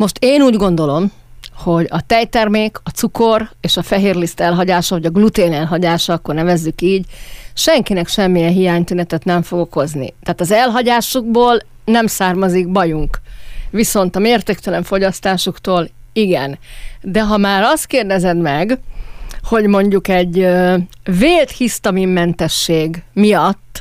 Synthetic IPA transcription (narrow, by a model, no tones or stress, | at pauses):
mo̞ʃt̪eːnuːɟɡo̞nd̪o̞lo̞m | ho̞ɟɒt̪ɛjt̪ɛrmeːkɒt̪suko̞reːʃɒfɛɦeːrlist̪ɛlɦɒɟaːʃɒɒɟɒɡlut̪eːnɛlɦɒɟaːʃɒɒkːo̞rnɛvɛzːykiːɟʃɛŋkinɛkʃɛmːijɛnɦijaːɲt̪ynɛt̪ɛt̪nɛɱfo̞ɡo̞ko̞znḭt̪aːt̪ɒzɛlɦɒɟaːʃuɡ̚boːl | nɛmsaːrmɒziɡbɒjuŋkʋiso̞nt̪ɒmeːrt̪eːkt̪ɛlɛɱfo̞ɟɒst̪aːʃukt̪oːl | iɡɛ̰nd̪ɛɦɒmaːɾɒst̪̚keːrd̪ɛzɛd̪mɛɡ | ho̞ɟmo̞ɲɟukɛɟøveːlt̪hist̪ɒmimːɛnt̪ɛʃːeːɡmijɒt̪ː